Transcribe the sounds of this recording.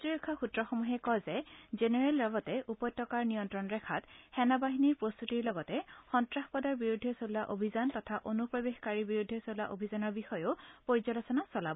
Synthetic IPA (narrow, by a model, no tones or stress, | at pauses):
tɹiɹɔkʰːɔxutɹɔxomuɦɛkɔzɛzeneɹelːaɡɔtɛʔupɔjtːɔkaɹnijɔntɹɔnɹɛkʰathɛnabaɦiniɹpɹost̪utiɹlɔɡɔtɛxɔntɹaxpɔdɔɹbiɹudʱɛsolaʔobʱizantɔtʰaʔonupɹɔbexkaɹibiɹudʱɛsolaʔobʱizanɔɹbixɔjopoɹizɔlɔsɔnasɔlabɔ